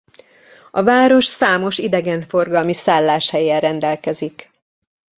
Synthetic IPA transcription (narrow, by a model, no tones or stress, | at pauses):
ɒvaːɾo̞ʃsaːmo̞ʃid̪ɛɡɛɱfo̞rɡɒlmisaːlːaːʃhɛjɛrɛnd̪ɛlkɛzik